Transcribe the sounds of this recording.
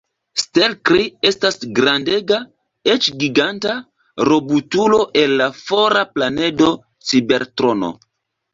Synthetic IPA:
stelkɾie̞stasɡɾande̞ɡa | et͡ʃɡiɡanta | ɾo̞butulo̞ʔe̞nːafo̞ɾaplane̞do̞ | t͡sibe̞ɾtɾo̞no̰

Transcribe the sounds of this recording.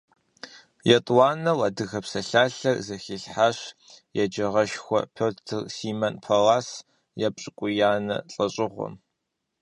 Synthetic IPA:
jɛtʼwaːnɐwadɨɣɐpsɐɬaːɬɐrzɐxiːɬħaːɕjɛd͡ʒɐʁɐʃxʷɔ̰pʰoːtʰɨrsiːmɐnpʰɐlaːs | jɛpʼɕʼɪkʷʼʊjaːnɐ̰ɬʼɐɕʼɪʁʷɔ̰m

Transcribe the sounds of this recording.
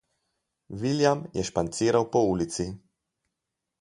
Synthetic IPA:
ʋiljamjɛʃpant̪siːɾawpɔuːlit̪si

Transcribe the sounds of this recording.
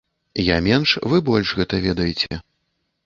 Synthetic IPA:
jamʲɛnʂvɨbɔlʲʂɣɛt̪ɐvʲɛd̪ɐjɛt͡sʲɛ

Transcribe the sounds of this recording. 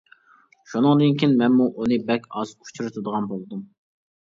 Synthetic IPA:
ʃunɨŋd̪ɨnkʲʰinmɛnmuʔunɨbɛkʲɑzkʰu̥t͡ʃʰyɾɪt̪ʰud̪əʁɑnbolˠd̪um

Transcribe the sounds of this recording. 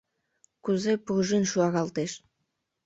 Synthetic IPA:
kuzepuʒinʃuɑɣɑlˠt̪eʃ

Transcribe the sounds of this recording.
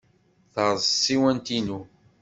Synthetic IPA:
θəɾˤzˤsˤiwænt̪inu

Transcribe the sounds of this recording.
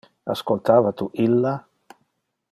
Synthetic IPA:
askolt̪aːvat̪uʔilːa

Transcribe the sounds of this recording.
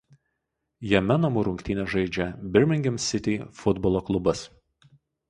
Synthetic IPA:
jɛmʲɛnɐmʊɾʊŋʲkt̪ʲiːnʲɛʒɐɪd͡ʒʲɛbʲɪɾʲmʲɪŋʲɡʲɛmsʲɪt̪ʲifʊd̪bɔlˠoːklˠʊbɐs

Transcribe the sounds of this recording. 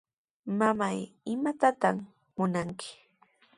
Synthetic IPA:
mamajɪmat̪at̪aχ | mʊnaŋkʰɪ̥

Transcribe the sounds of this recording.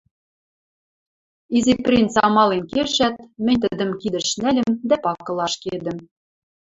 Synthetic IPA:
iziprʲint̪t͡sɑmɑlenkeʃæt̪̚mɘ̆nʲt̪ɘ̆d̪ə̆mkid̪ɘ̆ʃnælʲɘ̆md̪æpɑkɤ̆lˠɑʃked̪ɘ̆m

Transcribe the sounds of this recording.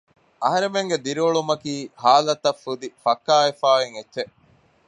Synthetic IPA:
ɐɦɐɾemeŋɡed̪iɾioɭumɐkiːhaːlɐt̪ɐfːud̪ifɐkːaːefaːeŋetːʃeʔ

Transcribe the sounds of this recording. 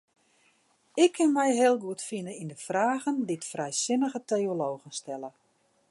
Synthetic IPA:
ɪkʰːɪnmɛjɦɪːəlˠɡuətfinəindəfraːɣənditfrɛjsɪnəɣətejoloːɣənstɛlə

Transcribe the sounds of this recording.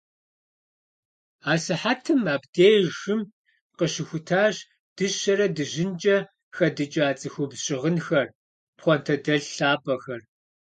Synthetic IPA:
aːsɨħatʰɨmaːbdeːjxɨm | qəɕɪxʷʊtʰaːɕ | d̥ɨɕɐɾɐdɨʑɪnt͡ʃʼɐ | xɐdɨt͡ʃʼaːt͡sʼɨxʷʊbɕʼɪʁənxɐr | pχʷɔntʰɐdɐɮɬaːbʼɐxɐr

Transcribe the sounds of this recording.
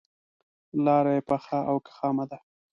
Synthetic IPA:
lɑɾajepaxaʔawkḁxɑmad̪a

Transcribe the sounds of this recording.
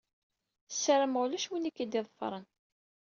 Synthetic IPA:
sːəɾəmʁʊlæʃwinikːid̪iðˤəfɾˤən

